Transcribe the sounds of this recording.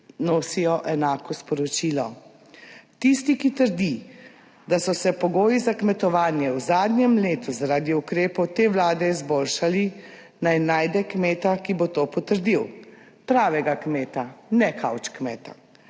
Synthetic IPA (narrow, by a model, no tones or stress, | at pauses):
noːsijɔʔɛnaːkɔspɔɾɔt͡ʃiːlɔ | t̪ist̪ikit̪əɾd̪i | d̪asɔsɛpɔɡoːjizakmɛt̪ɔʋaːnjɛwzaːd̪njɛmleːt̪uzaɾaːd̪iukɾeːpɔwt̪eːʋlaːd̪ɛizboːlʃali | najnaːjd̪ɛkmeːt̪akibot̪oːpɔt̪əɾd̪iw | pɾaːʋɛɡakmeːt̪anɛkʰawt͡ʃkmɛːt̪a